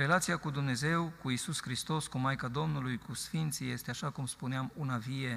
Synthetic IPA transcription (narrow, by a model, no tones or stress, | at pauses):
ɾe̞lat̪sijakud̪umne̞ze̞wkuisuskɾist̪o̞skumajkad̪o̞mnulujkusfint̪sije̞st̪eaʃakumspuneamunavie̞